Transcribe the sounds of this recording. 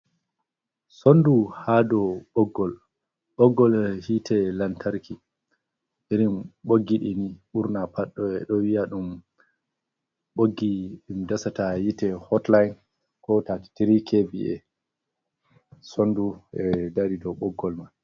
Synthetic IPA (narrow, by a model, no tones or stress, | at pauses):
sonduhadɔɓɔɡːɔl | ɓɔɡːɔlhitʰɛlantʰaɾki | ʔiɾimɓoɡːiɗiniɓuɾnapaɗːɔɛɗɔwijaɗum | ɓoɡːiɗumdasatajitɛhɔtlajn | kɔtati̥tiɾikʰebiʔɛ̰ | sonduɛdaɾidɔɓɔɡːɔlman